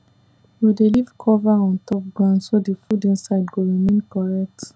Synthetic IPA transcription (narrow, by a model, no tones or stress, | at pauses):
judelivkʰɔvaɔ̃ntɔp̚ɡɹãndsodefudĩnsaɪdɡoɹimẽnkɔɹɛk̚t